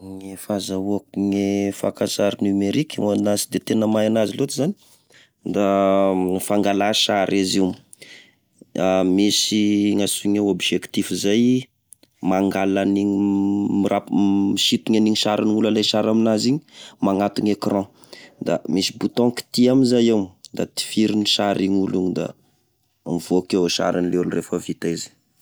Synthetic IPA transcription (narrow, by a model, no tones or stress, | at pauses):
ŋefazauakŋefa̰kãsaɾnymeɾikʲanasid̪et̪enəmajanazilot̪izani̥ | d̪a | faŋɡalaʃaɾʔeziu | amisiŋasuŋeobʒekt̪ifizaj | maŋɡalaniɲimirʔapmiʃit̪uɲaniɲiʃaɾʔiniulalajʃaɾaminaziɲi̥maŋat̪uŋekrɑ̃ | d̪a̰misibut̪ɔ̃ki̥t̪iaminzajewmd̪at̪i̥fiɾiniʃaɾiɲuluɲid̪a̰ | miv̥oakewʃa̰ɾanilelurefəvit̪aizi̥